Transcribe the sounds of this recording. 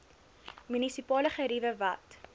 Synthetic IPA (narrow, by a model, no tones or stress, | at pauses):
mynisipɑːləχəɾivəvɐt